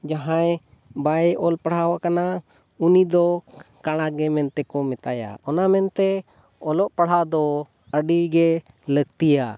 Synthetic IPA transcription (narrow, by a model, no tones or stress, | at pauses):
d͡ʒaɦãj | baɛʔɔlpaɽ̤hawakana | unid̪ɔkaɽ̃aɡɛmɛnt̪ɛkɔmɛt̪aja̰ɔnamɛnt̪ɛ | ɔlɔʔpaɽ̤ad̪ɔ | əɖiɡɛ | ləɡt̪ija